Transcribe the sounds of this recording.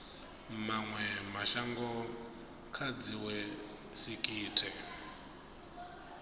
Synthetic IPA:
maŋwɛmaʃaŋɡɔ | kʰad͡ziwɛ | sikʼiːtʰɛ

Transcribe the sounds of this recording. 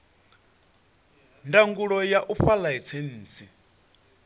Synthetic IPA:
ndaŋɡuɺɔjaʔuɸalaɦit͡sʰen̩ːt͡sʰi

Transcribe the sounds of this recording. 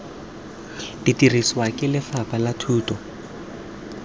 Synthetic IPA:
d̥itiriswakʼɪlɪfapʼalatʰuːtʼɔ

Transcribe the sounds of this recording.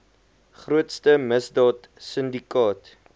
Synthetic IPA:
χruətstəməsdɑːt | səndikɑːt

